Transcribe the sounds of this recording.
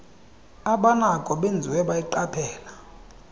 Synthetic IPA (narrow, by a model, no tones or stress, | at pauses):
aɓanakʼɔɓend͡zʱiwɛɓajiǃapʰɛːla